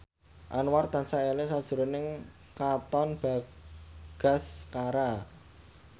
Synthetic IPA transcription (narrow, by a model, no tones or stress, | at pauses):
ʔa̰nwart̪ansaʔelesad̥ʒ̥ṳɾonɪŋ | kat̪ɔnb̥a̤ | ɡ̥a̤skaɾa